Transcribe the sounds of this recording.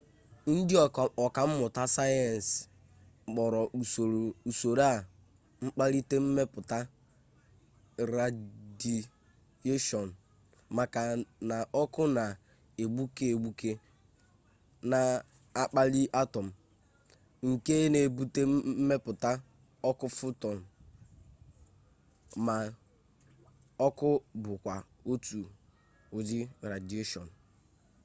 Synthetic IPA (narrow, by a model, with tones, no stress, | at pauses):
n̩˦dɪ˦ɔ˨ɔ˨ka˨m̩˦mʊ˨ta˦sa˦jɛ˨n˨s | k͡pɔ˨ɾɔ˨ʔo˨u˨so˨ɾa˦˨ | ŋ͡m̩˦k͡pa˦li˦te˦m̩˦me˦pʊ˨ta˦ | ɾa˨di˨ | je˦ʃɔ˨n̩˨ | ma˨ka˨na˨ɔ˦kʊ˦na˨ | e˨ɡ͡bu˦ke˦e˨ɡ͡bu˦ke˦ | na˨ | a˦k͡pa˦li˦ʔa˦tɔ˨m̩˨ | ŋ̩˨ke˦ne˨bu˦te˦me˦pʊ˨ta˦ | ɔ˦kʊ˦fʊ˦tɔ˨m̩˨ | ma˨ | ɔ˦kʊ˦bʊ˨kʷa˨o˦tu˨ | ʊ˨d͡ʒɪ˦ɾa˨di˨e˦ʃɔ˨n̩˨